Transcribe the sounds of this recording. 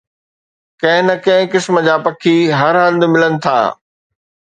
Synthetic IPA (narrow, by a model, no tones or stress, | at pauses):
kɐ̃ɦɪ̃nɐkɐ̃ɦɪ̃kɪsmə̆d͡ʑaːpɐkʰiɦɐɾɦɐ̃nd̪mɪlənɪ̆t̪ʰa̰ː